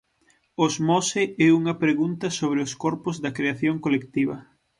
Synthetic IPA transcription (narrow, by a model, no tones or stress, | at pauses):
ozmɔseɛuŋɐpɾeɣunt̪ɐsoβ̞ɾeoskɔɾpʊzðɐkɾeaθjoŋkolekt̪iβɐ̰